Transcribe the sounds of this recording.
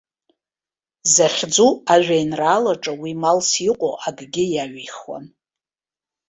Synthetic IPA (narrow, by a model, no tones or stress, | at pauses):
zaχʲd͡zuaʒᶣʷajnraːlaʈ͡ʂʼawimalsiqʷʼo̰ʔaɡɡʲɪjaɥiχwa̰n